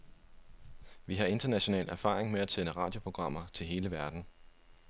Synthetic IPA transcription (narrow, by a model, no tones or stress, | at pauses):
ʋiɦɑ̈e̝nd̥ɐnæɕo̝nɛ̰ːlʔæɐfɑ̰̈ːʁeŋmeæsenəʁɑ̈ːd̥jo̝pʰʁo̝ɡ̥ʁɑ̈m̰ɐt͡sʰe̝lɦe̝ːləʋæɐd̥n̩